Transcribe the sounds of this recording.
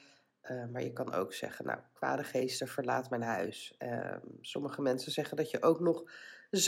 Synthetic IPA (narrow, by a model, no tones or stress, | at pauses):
əmaːɹjəkɑnʔo̰wksɛ̰χənʔa̰wkʋa̰ːdəχejstəv̥əɹlaːtmɛjnɦœɥs | sɔməχəmɛnsənzɛχəndɑtjəʔowknɔχz